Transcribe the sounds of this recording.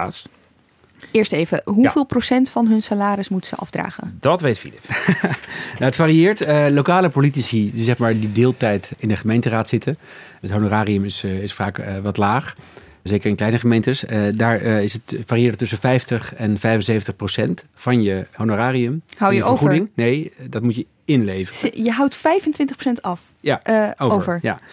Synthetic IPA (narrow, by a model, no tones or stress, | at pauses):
ast | ɪːɹstejvəɦuvɪːlˠprosɛntfɑnɦɵnsalaːɾɪsmutsə̰ʔɑ̰fdra̰ːχə̰ndɑtʋejtfḭlɪp | naətfaːriɪːɹtəlokaːləpolitisidizɛχmaːɹdidɪːlˠtɛjtɪndəχəmejntəraːtsɪtə | ətɦonoraːriəmɪsɪsfaːkʋɑtlaːχ | zejkəɹɪnklɛjnəχəmejntəsdaːɹɪsətfaːriɪːɹtːɵsənfɛjftəχɛnfɛjfənsejvəntəχprosɛnt | fɑnjəhonoraːriəmɦawjəoəχudɪŋnejdɑt̚mutjə | ɪnlejvərjəɦawtfɛjfəntʋɪntəχpro̥sɛntɑf | jaowəvəɹja̰